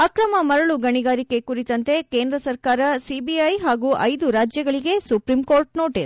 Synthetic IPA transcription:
ɐkɾɐmɐmɐɾɐɭuɡɐɳiɡaːɾike̞kuɾit̪ɐnt̪e̞keːnd̪ɾɐsɐɾkaːɾɐsibiɐjɦaːɡuːʔɐjd̪uɾaːd͡ʒjɐɡɐɭiɡe̞supɾimkoːɾʈnoːʈi

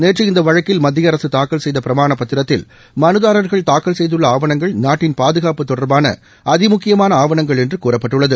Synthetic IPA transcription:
neːʈriɪnd̪ɐʋɐɻɐkːɪlmɐd̪ːɪjɐɾɐsɯt̪aːkːɐlsɛjðɐpɪɾɐmaːɳɐpːɐt̪ːɪɾɐt̪ːɪl | mɐnɯðaːɾɐɾɣɐɭt̪aːkːɐlsɛjðɯɭːɐaːʋɐɳɐŋɡɐɭnaːʈːɪnpaːðɯɣaːpɯt̪ːɔɽɐɾbaːnɐ̰ | ʔɐðɪmʊkːɪjɐmaːnɐaːʋɐɳɐŋɡɐɭɛndrɯkuːrɐpːɐʈːɯɭːɐðɯ

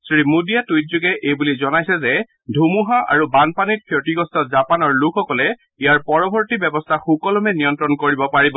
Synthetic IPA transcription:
sɹimudijatujtzuɡɛʔejbulizɔnajsɛzɛ | dʱumuɦaʔa̰ɹubanpanit̚kʰjɔtiɡɔstʰɔtzapanɔɹlukʰɔkɔlɛ | ijaɹpɔɹɔbʱɔɹtibɛbɔstʰaxukɔlɔmɛnijɔntɹɔnkoɹibɔpaɹibɔ

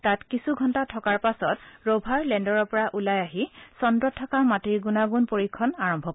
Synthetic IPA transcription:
tatkisuɡʱɔntatʰɔkaɹpasɔtɹobʱaɹlɛndɔɹɔɹpɔɹaʔulajaɦisɔndɔtʰːakamatiɹɡunaɡunpoɹikʰːɔnaɹɔmbʱɔ

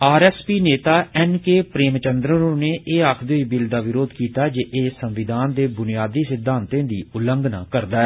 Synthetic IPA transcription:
aːɾɛːspiːneːt̪aːɛnkeːpɾeːmt͡ʃənd̪ɾənõːneːʔeːakʰd̪eʊiːbɪld̪aːʋɪɾoːd̪kiːt̪aːd͡ʒeːʔeːsə̃mʋɪd̪ʱaːnd̪eːbʊnijaːd̪iːsɪd̪ʱãːnt̪ẽːd̪iːʊləŋɡna̰ːkəɾd̪aːɛː

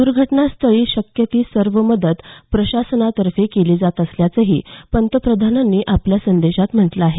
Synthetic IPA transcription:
d̪uɾɡʱəʈnast̪ʰəɭiːɕəkjət̪iːsəɾʋəməd̪ət̪pɾəɕasənat̪əɾfekeliːd͡zat̪əsljat͡səɦiːpənt̪əpɾəd̪ʱananːiːʔapljasənd̪eɕat̪m̤əʈlaaɦe

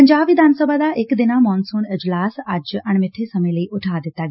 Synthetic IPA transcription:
əɲd͡ʒaːbʋɪd̪ʱaːnsəbʱad̪aʔekd̪ɪnamɔːnsuːnɪd͡ʒlaːsad͡ʒɐɳ̃mɪʈʰesɐmə̃ləiʔʊʈʰaːd̪ɪt̪a

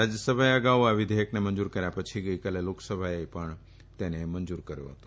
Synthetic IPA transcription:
ɾad͡ʒjəsəbʱaeəɡaʋaʋɪd̪ʱejəknemənd͡ʒuɾkəɾjapət͡ʃʰiɡəjkaleloksəbʱaepəɳ | t̪enemənd͡ʒuɾkəɾjo̰ɦət̪o̥

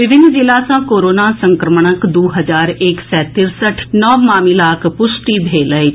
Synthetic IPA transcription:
ʋɪʋɪnːzɪlaːsãːkoːɾoːnaːsəŋkɾəməɳəkd̪oːɦəzaːɾɪksɛːt̪ɪɾsəʈʰnɔːmaːmiːlaːkʰpʊsʈiːbʱeːləi

